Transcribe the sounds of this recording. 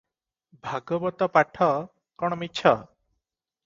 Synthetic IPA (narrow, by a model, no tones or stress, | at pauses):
bʱaɡɔbɔt̪ɔpaʈʰɔ | kɔɽ̃ɔmitːt͡ʃʰɔ